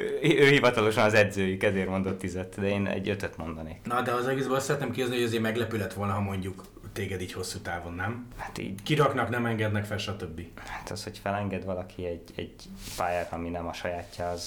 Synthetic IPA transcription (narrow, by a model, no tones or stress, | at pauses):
øːhivɒt̪ɒlo̞ʃɒnɒzɛd̪zøːjykɛzeːrmo̞nd̪o̞t̪ːizɛt̪ːd̪ɛeːnɛ̰ɟːøt̪øt̪mo̞nd̪ɒneːknɒd̪ɛɒzɛɡeːzbølɑst̪sɛɾɛt̪neːmkioznihoɒzeːɾmɛɡlɛpylɛt̪ʋo̞lnɒɦɒmo̞ɲɟuk | t̪eːɡɛd̪iːcho̞sːut̪aːvo̞nːɛmhḁt̪ḭːɟkiɾɒknɒknɛmɛŋɡɛd̪nɛkfɛlʃɒt̪øbːihat̪ɒ̰shocfɛlɛŋɡɛd̪ʋɒlɒkʰiɛɟɛ̰ɟ | paːjɛɾɒminɛmɒʃɒjaːcːɒɒz̥